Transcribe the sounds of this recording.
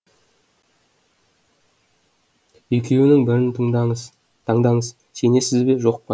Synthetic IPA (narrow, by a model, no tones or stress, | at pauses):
ekʲe̞wɪnɪŋbɪɾɪnt̪ʰ | t̪ʰɑɴd̪ɑɴəz | se̞ne̞sɪzbe̞ʒo̞q̚pɑ